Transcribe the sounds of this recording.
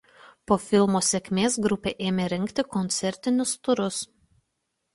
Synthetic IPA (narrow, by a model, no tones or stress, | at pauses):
poːfʲɪlˠmoːsʲekʲmʲeːsɡɾʊpʲeːʔeːmʲeɾʲɛŋʲkt̪ʲɪkɔnʲt̪sʲɛɾʲt̪ʲɪnʲʊst̪ʊɾʊs